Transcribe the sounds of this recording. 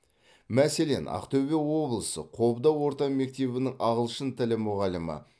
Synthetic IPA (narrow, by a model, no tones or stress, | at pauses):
mæse̞le̞̰nɑ̰qt̪ɵbewo̞blˠəsə̰qʰo̞bd̪ɑwo̞ɾt̪ɑme̞k̚t̪e̞βɪnɪŋɑʁəlˠʃənt̪ʰɪlɪmʊʁɑləmə̰